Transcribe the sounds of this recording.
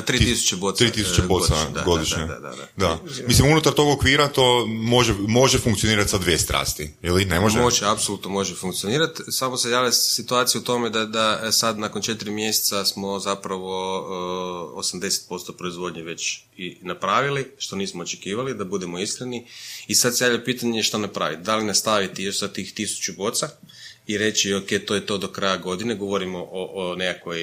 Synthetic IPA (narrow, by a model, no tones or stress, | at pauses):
at̪ɾiːt̪isu̥t͡ʃebot̪ːɾiːt̪isu̥t͡ʃebosaɡod̪iʃɲed̪a̰d̪a̰d̪a̰d̪amislimunut̪aɾt̪o̞ɡokʋiːɾat̪omo̞ʒemo̞ʒefuŋkt̪sioniːɾat̪sad̪ʋjest̪ɾa̰ːst̪iilinemoʒemoʒeapsolut̪nomo̞ʒefuŋkt̪sio̞niːɾat̪samosejaːʋjasit̪uaːt̪sijut̪o̞med̪ad̪asad̪nako̞nt͡ʃe̞t̪ɾimje̞se̥t̪sasmo̞zapɾaʋo̞ | o̰samd̪e̞se̥t̪̚po̞st̪o̞pɾo̞izʋo̞d̪ɲeʋe̞t͡ʃ | inapɾaːʋiliʃt̪o̞niːsmoot͡ʃekiːʋalid̪abud̪e̞mo̞iskɾeniisad̪sejaʋlʎapiːt̪aɲeʃt̪onapɾa̰ːʋḭt̪̚d̪alinast̪aʋit̪ijo̞ʃsat̪ːixt̪isu̥t͡ʃubo̞t̪sa | iɾe̞t͡ɕioke̞jt̪ojet̪o̞d̪o̞kɾajaɡo̞d̪ineɡo̞ʋoɾimoʔoʔnekakʋoj